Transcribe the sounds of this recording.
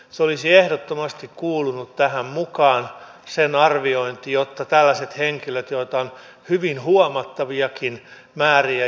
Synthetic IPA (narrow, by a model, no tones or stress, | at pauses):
seolisiehdot̪ːomɑst̪ikkuːlunut̪t̪æhæmmukɑːnsenɑrʋioint̪ijot̪ːɑt̪ælːæset̪heŋkiløt̪joit̪ɑon | hyʋinhuomɑt̪ːɑʋiɑkin | mæːriæ